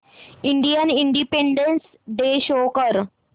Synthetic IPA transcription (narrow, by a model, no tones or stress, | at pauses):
iɳɖijəniɳɖipeɳɖens | ɖeɕokəɾ